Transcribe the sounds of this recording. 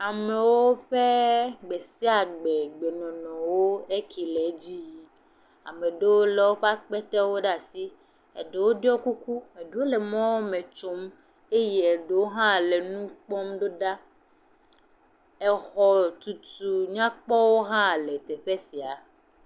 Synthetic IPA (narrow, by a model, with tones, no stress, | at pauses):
a˨me˨wo˦ɸe˦ɡ͡be˨si˦a˨ɡ͡be˨ɡ͡be˨nɔ̃˨nɔ̃˨wo˦e˦kʰi˨le˨˦d͡ʑi˦ | a̰˨mẽ˨ɖe˦wo˦le˨wo˦ɸe˦a˦k͡pɛ˦t̪ɛ˦wo˦ɖa˨si˦ | ḛ˨ɖe˨wo˦dɔ˦ku˦ku˦e˨ɖe˦wo˦le˨mɔ̃˦wo˦mẽ˨t͡ʃo˦m | e˦je˨e˨ɖe˨wo˦ɦã˦˨le˨nũ˦k͡pɔ˦mɖo˦ɖa˦ | ɛ˨xɔ˨t̪u˨t̪u˨ɲã˦k͡pɔ˦wo˦ɦã˦˨le˨t̪e˨ɸe˦si˨a˨